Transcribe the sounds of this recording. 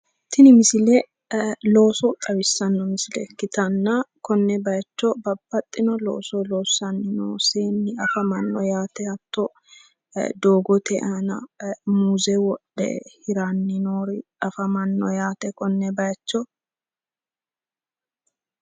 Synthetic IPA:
t̪ʰɪnɪmɪsɪlɛ | lo̞ːsɔt̪ʼɐbɪsːɐnːɔmɪsɪlɛkːɪt̪ɐnːɐkɔnːɛbɐjɐt͡ʃːɔbɐbːɐt̪ʼːɪnɔlo̰ːsɔloːsːɐnːɪno̰ːseːnːɪɐfɐmɐnːɔjaːt̪ɛɐt̪ːɔ | d̪o̞ːɡɔt̪ɛʔɐnɐ̰muːzɛwɔɗɛ̰hɪɾanːɪnoːɾɪɐfɐmɐnːɔjaːt̪ɛkɔnːɛbɐjɐt͡ʃːɔ

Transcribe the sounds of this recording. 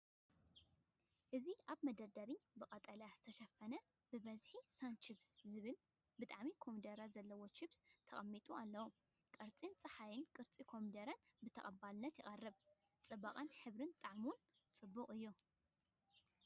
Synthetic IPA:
ʔɨziʔaβmɐd̪ɐd̪ɐɾibɨkʼɐt̪ʼɐljaz̥ɨt̪ʰɐʃɐfɐnɐ | b̥ɨbɐzħisant͡ʃibszɨβɨl | bɨt̪ʼaʕmikʰo̞mid̪ɐɾazɐlːɐwot͡ʃibst̪ʰɐχʼɐmːit̪ʼualːɐwu | kʼɐɾt͡sʼint͡sʼɨħajɪnkʼɨɾt͡sʼikʰo̞mid̪ɐɾɐnbɨt̪ʰɐχʼɐbalɨnːɐt̪jɪχʼɐrːɨβ | t͡sʼɨbaqʼanħɨβɾɨnt̪ʼaʕmun | t͡sʼɨbːɨχʼɨjːu

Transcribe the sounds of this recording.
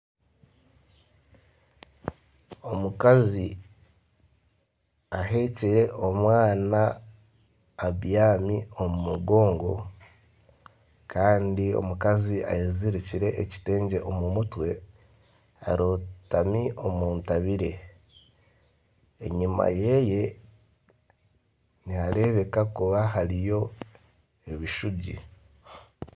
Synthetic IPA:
o̞mukazi | aɦe̞ːciɾe̞ʔo̞mwaːna | βjaːmio̞mumuɡo̞ːŋɡo̞̰ | kʰaːndio̞̰mukazia̰jeziɾiciɾe̞ʔːci̥te̞ːɲɟe̞ʔomumutwe̞ | a̰ɾotamiʔo̞muːntaβiɾe̞ | ḛɲima̰je̞ːje̞ | niaɾe̞βe̞kakuβaɦaɾijo̞ | eβiʃuɟḭ

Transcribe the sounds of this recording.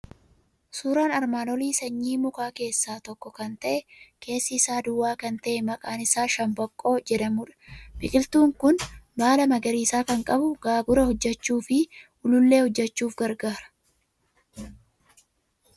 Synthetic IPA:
suːɾaːnɐɾmaːnɔliːsɐɲːiːmʊkaːke̞ːsːaːt̪ɔkːɔkɐnt̪ɐʔɛkʰe̞ːsːɪːsaːd̪ʊwːaːkɐnt̪ɐʔɛmɐkʼaːnɪsaːʃɐmbɐkʼːo̞ːd͡ʒɛᶑɐmuːᶑɐ̥bɪkʼɪlt̪uːŋkʊnbaːlɐmɐɡɐɾiːsaːkɐŋkʼɐbʊɡaːbʊɾɐhɔd͡ʒːɛt͡ʃːuːfɪʔʊlʊlːe̞ːhɔd͡ʒːɛt͡ʃːuːfɡɐɾɡaːɾɐ̥

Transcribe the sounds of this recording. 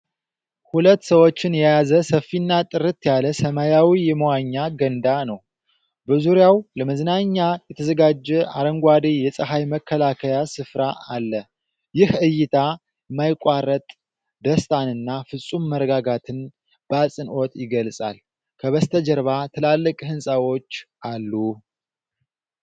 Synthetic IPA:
hulət̪ːsəwo̞t͡ʃːɪnjɛjazəsəfːinːat̪ʼɨɾɨt̪jaləsəmajawijɛməwaɲːaɡənd̪anəw | bəzuɾjawləməznaɲːajɛt̪ʰəzəɡad͡ʒːɛʔa̰ɾəŋɡʷad̪ejɛsʼəɦajməkʰːəlakʰəjasɨfɾaalːə | jɪhɨjːɪt̪ʰa | majkʷʼarət̪ʼ | d̪əst̪ʰanɨnːafɨsʼumːəɾəɡaɡat̪ʰɨn | bəasʼɨnʔo̞t̪jɪɡəlsʼa̰l | kʰəβəst̪ʰəd͡ʒəɾβat̪ʰɨlalːɨkʼhɨnsʼawo̞t͡ʃːʔalːu

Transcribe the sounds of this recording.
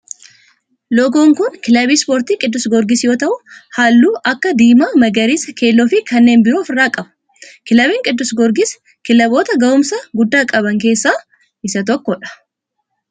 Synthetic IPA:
lɔɡoːŋkʊnkɪlɐbiːspoːɾt̪iːkʼɪd̪ːʊsɡɔɾɡɪsjo̞ːt̪ɐʔʊhaːlːuːʔɐkːɐd̪iːmaːmɐɡɐɾiːsɐke̞ːlːofɪkɐnːe̞ːnbɪɾoːfɪrːaːkʼɐbɐ̥ | kɪlɐbeːŋkʼɪd̪ːʊsɡɔɾɡɪs | kɪlɐbo̞ːt̪ɐɡɐʔʊmsɐɡʊd̪ːaːkʼɐβɐŋke̞ːsːaː | ʔɪsɐt̪ɔkːɔᶑɐ̥

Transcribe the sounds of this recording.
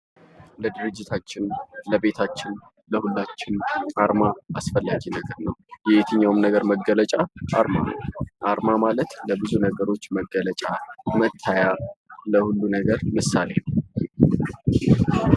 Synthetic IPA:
ləd̪ɨɾɨd͡ʒːɪt̪ʰat͡ʃːɪnləbe̞t̪ʰat͡ʃːɪn | ləhulːat͡ʃːɪnʔaɾmaasfəlːad͡ʒinəɡəɾnəwjɛet̪ʰɨɲːawɨmnəɡəɾməɡələt͡ʃʼaʔaɾma̰nə̰wʔaɾmamalət̪ləbɨzunəɡəɾo̞t͡ʃːməɡːələt͡ʃʼamət̪ʰːajaləhulːunəɡəɾmɨsale̞nəw

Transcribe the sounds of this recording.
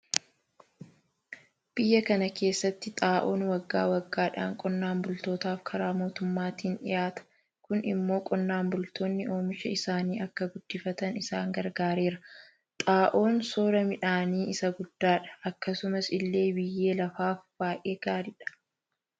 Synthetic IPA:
b̥ɪjːɐkɐnɐke̞ːsːɐt̪ːɪt̪ʼaːʔo̞ːnwɐɡːa̰ːwɐɡːaːᶑa̰ːŋkʼɔnːaːmbʊlt̪o̞ːt̪aːfkʰɐɾaːmo̞ːt̪ʊmːaːt̪iːnᶑɪ̰jaːt̪ɐ̥ | kʊnɪ̰mːo̞ːkʼɔnːaːmbʊlt̪o̞ːnːɪʔo̞ːmɪʃɐɪsaːniːʔɐkːɐɡʊd̪ːɪfɐt̪ɐnɪsaːŋɡɐɾɡaːɾe̞ːɾɐ | t̪ʼaːʔo̞ːnso̞ːɾɐmɪᶑaːniːɪsɐɡʊd̪̥ːaːᶑɐ̥ɐkːɐsʊmɐsɪlːe̞ːbɪjːe̞ːlɐfaːfb̥aːʔe̞ːɡ̥aːɾɪᶑɐ̥

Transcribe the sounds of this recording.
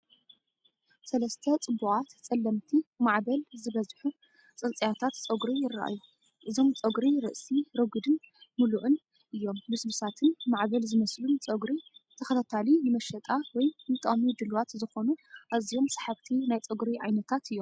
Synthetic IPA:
sɐlɐst̪ʰɐt͡sʼɨbːukʼat̪t͡sʼɐlːɐmt̪ʰimaʕbɐlzɨβɐzħu | t͡sʼɨnt͡sʼjat̪ʰat̪t͡sʼɐɡɾijɪrːa̰ʔa̰ju | ʔɨzo̞mt͡sʼɐɡɾiɾɨ̰ʔsiɾɐɡɨd̪ɨnmuluʔɨn | ʔɨjːo̞mmɨsbɨsat̪ʰɨnmaʕbɐlzɨmɐslunt͡sʼɐɡɾit̪ʰɐxɐt̪ʰat̪ʰalinɨmɐʃɐt̪ʼawɔjnɨt̪ʼɐʔmid̪ɨlwat̪zɨxo̞nuʔazijo̞msḁħaβt̪ʰinajt͡sʼɐɡɾiʕajnɐt̪ʰat̪ɨjːom

